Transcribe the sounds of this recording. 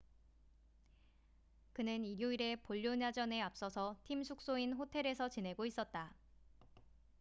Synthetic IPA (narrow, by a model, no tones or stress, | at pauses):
kɯnɯniɾjoiɾe̞poʎːoɲad͡ʑʌne̞ap̚s͈ʌsʰʌtʰimsʰuk̚s͈oinɸotʰe̞ɾe̞sʰʌt͡ɕine̞ɡois͈ʌt̚t͈a